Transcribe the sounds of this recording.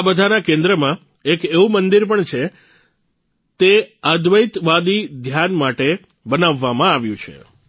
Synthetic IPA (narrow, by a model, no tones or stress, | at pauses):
abəd̪ʱanakẽnd̪ɾəmã | ekeʋũmənd̪iɾpəɳt͡ʃʰe | t̪eəd̪ʋəjt̪ʋad̪id̪ʱjanmaʈe | bənaʋːamãaʋjũt͡ʃʰḛ